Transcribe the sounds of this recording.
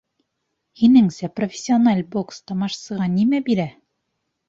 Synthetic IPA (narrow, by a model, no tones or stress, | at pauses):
hinɘŋsæprofʲɪ̥sʲːionalʲbo̞kst̪ɑmɑʃsɤ̆ʁɑnimæbiɾæ